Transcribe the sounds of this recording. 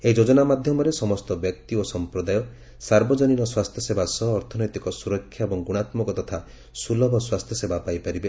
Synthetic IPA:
eid͡ʒod͡ʒɔnamad̪ʱjɔmɔɾesɔmɔst̪ɔbjɔk̚t̪iosɔmpɾɔd̪ajɔ | saɾbɔd͡ʒɔniɾɔswast̪ʰjɔsebasɔɦːɾt̪ʰɔnɔjt̪ikɔsuɾɔkʰːjaebɔŋɡuɽ̃at̪mɔkɔt̪ɔt̪ʰa | sulɔbʱɔswast̪ʰjɔsebapajpaɾibe

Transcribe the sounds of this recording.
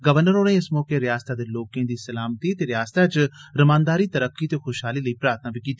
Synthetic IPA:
ɡəʋəɾnəɾoːɽẽɪsmɔːkeːɾɪjaːst̪aːd̪eːloːkẽːd̪iːsəlaːmt̪iːt̪eːɾɪjaːst̪aːt͡ʃɾəmãːnd̪aːɾiːt̪əɾəkːiːt̪eːxʰʊʃɦaːliːləiːpɾaːɾt̪ʰnaːbiːkiːt̪ːi

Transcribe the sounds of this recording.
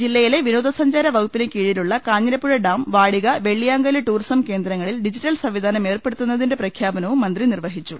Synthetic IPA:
d͡ʑilːɐjile̞ʋinoːd̪ʱɐsɐɲd͡ʑaːɾɐʋɐɣupːinekiːɻiluɭːɐkaːɲːɐɾɐpːuɻɐɖaːmʋaːɻiɣɐʋe̞ɭːijaːŋɡɐleʈuːrisɐmke̞ːnd̪ɾɐŋːɐɭilɖid͡ʑitːɐlsɐmʋid̪ʱaːnɐme̞ːrpe̞ɽut̪ːunːɐðinde̞prɐkʰjaːbɐnɐʋumːɐnd̪rinirʋɐɦit͡ɕːu

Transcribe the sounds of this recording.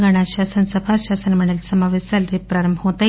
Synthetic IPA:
ɡaɽ̃aɕasənsəbʱaɕasənməɽ̃elsəmaʋisalɾipɾaɾəmbʱɦot̪a

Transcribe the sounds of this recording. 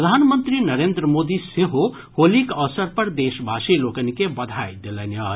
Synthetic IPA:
ɾd̪ʱanmənt̪ɾinəɾend̪ɾəmoːd̪iseɦo | holikɐʋsəɾpɐɾd̪eʃbʱasilokənikebɐd̪ʱajd̪elenəɾ

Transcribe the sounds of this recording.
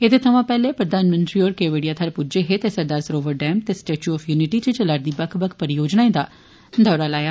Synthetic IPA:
et̪eːt̪ʰəʋãːpɛːleːpɾəd̪aːnmə̃nt̪ɾiːoːɾkeːʋeːɽijaːt̪ʰəɾpud͡ʒeɦeːt̪eːsəɾd̪aːɾsɾoːʋəɾɖɛːmt̪eːsʈeːt͡ʃuːɔːfʰjuːnɪʈiːt͡ʃət͡ʃəlaːɾd̪iːbəkʰbəkʰpəɾɪjoːd͡ʒnaːẽd̪aː | d̪ʱɔːɾaːlaːjaː

